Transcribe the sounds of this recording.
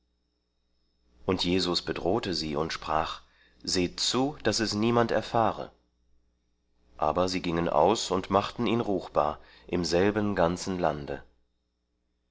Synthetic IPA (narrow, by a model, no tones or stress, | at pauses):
ʔʊntʰjeːzʊsb̥ədʁoːtəziːʊntʃpʁ̥aːχ | z̥eːt͡suːd̥asɛsniːmantɛ̰ɐfaːʁə̰ | ʔa̰ːbɐziːɡɪŋənʔa̰ʊsʊntmaχtn̩iːnʁuːχb̥a̰ːɐ | ʔɪmzɛlbənɡant͡sn̩landə